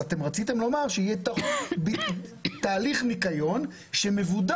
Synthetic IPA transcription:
at̪emʁat͡sit̪emlo̞maʁʃeijɛt̪abit̪aːliχmikajo̞n | ʃeme̞vud̪a

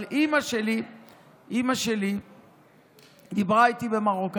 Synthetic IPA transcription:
lʔimaʃeli | ʔimaʃe̞li | d̪ibʁait̪ibe̞maʁok

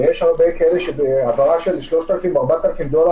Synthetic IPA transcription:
jeʃaʁbejkaeleʃebeavaʁaʃelʃloʃt̪alafimoaʁbat̪alafimd̪ola

